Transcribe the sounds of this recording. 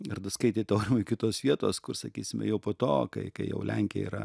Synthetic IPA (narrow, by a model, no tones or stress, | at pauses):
ɪrd̪ɐskɐɪt̪ʲeːt̪ʲɐʊɾʲɪmʊɪkʲɪt̪oːsʋʲiɛt̪oːskʊrsɐkʲiːsʲɪmʲɛ̰jɛʊpoːt̪oːkɐɪkɐɪjɛ̰ʊlʲɛŋʲkʲɪjɛ̰ḭːɾɐ̰